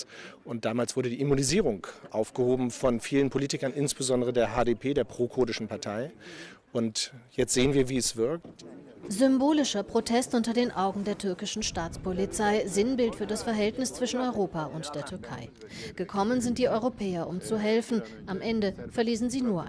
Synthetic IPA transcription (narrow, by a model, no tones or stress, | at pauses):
ʔʊnt̚d̥aːmaːlsv̥ʊɐɾədiːʔimuniziːʁ̞ʊŋkʔaʊfɡ̥əhoːbm̩fɔnfiːlənpʰoliːtɪkɐnʔɪnsb̥əzɔndəʁ̞ədeːɐɦaːdepʰeːdeːɐpʁ̥oːkʰoːdɪʃn̩paɐtʰaɪʔʊntjɛt͡stz̥eːənviːɐviːɛsv̥ɪɐk̚t | zʏmboːlɪʃɐpʁ̥otʰɛstʔʊntɐdeːnʔaʊɡŋ̩deːɐtʰʏɐkɪʃn̩ʃtaːt͡spʰolit͡saɪzɪnbɪltfyːɐdasfɛɐɦɛltnɪst͡sv̥ɪʃn̩ɔʏʁoːpaʔʊntd̥eːɐtʰʏɐkʰa̰ɪ | ɡ̥əkʰɔmənzɪnt̚d̥iːʔɔʏʁopʰɛːɐʔʊmt͡suɦɛlfn̩ | ʔamʔɛndəfɛɐliːsn̩ziːnuːɐ